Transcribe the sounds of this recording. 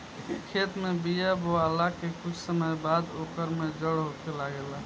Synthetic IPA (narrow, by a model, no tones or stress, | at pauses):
kʰeːt̪mẽbijaboalakekʊt͡ʃʰsəməjbaːd̪oːkəɾmed͡ʒəɽɦokelaɡela